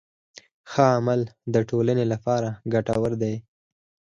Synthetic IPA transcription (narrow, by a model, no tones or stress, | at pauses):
xəamald̪əʈolanelapɑɾaɡaʈawəɾd̪aj